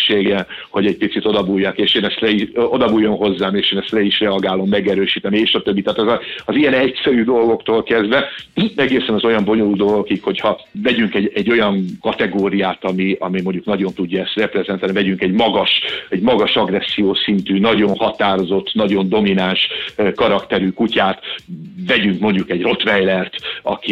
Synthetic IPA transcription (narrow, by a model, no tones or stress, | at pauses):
ʃeːɡɛnho̞ɟɛc̚pit̪sit̪o̞d̪ɒbujːaːkeːʃeːnɛst̪lɛiod̪ɒbuːjːo̞nɦo̞zːaːmeːʃeːnɛst̪lɛiʃrɛɒɡaːlo̞mːɛɡɛɾøːʃiːt̪ɛnieːʃɒt̪ø̞bːit̪aːt̪ɛzɒɒzijɛnɛcsɛɾyːd̪o̞lɡo̞kt̪oːlkɛzd̪vɛɛɡeːsɛnɒzo̞jɒmbo̞ɲo̞luld̪olɡokikho̞chɒvɛɟyŋkɛɟɛɟːo̞jɒŋkɒt̪ɛɡoːɾijaːt̪ɒmiɒ̰mimo̞ɲɟuknɒɟo̞nt̪uɟːɒɛst̪rɛprɛzɛnt̪aːlnivɛɟyŋkɛɟmɒɡɒʃɛɟmɒɡɒʃɒɡrɛsːijoːsint̪yːnɒɟo̞nhɒt̪aːɾo̞zo̞t̪ːnɒɟo̞nd̪o̞minanʃkɒɾɒkt̪ɛɾykucaːt̪vɛɟyŋkmo̞ɲɟukɛɟro̞t̪ʋɛjlɛrt̪ɒ̰ki